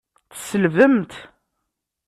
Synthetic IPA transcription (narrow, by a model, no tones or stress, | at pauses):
θsəlvəmt̪